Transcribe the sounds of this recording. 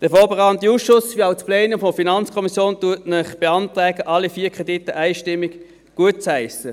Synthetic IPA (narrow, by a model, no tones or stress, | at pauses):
d̥əɐfɔːbeʁɑːəntiuːsʃʊsʋiaʊt͡splɛːnəfɔfinɑnt͡skʰɔmisjoːntuətnəχb̥eɑntʁɛːɡəʔɑlːifiːkʰʁ̥ɛditːəʔæɪʃtɪmːɪk | ɡ̥uət̚t͡shæɪsə